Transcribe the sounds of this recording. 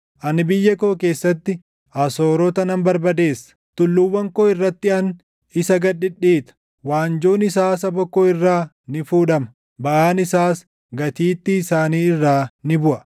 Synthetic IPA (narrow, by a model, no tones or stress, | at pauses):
ʔɐnɪbɪjːɐkoːke̞ːsːɐt̪ːɪ | ʔɐsoːɾɔt̪ɐnɐmbɐɾbɐd̪e̞ːsːɐ̥t̪ʊlːʊwːɐŋkoːɪrːɐt̪ːɪɐn | ɪsɐɡɐᶑːɪᶑiːt̪ɐ̥ | waːnd͡ʒoːnɪsaːs̬ɐbɔkːoːɪrːaː | nɪfuːᶑɐmɐ | bɐʔaːnɪsaːs | ɡɐt̪iːt̪ːɪːsaːniːɪrːaːnɪbʊʔɐ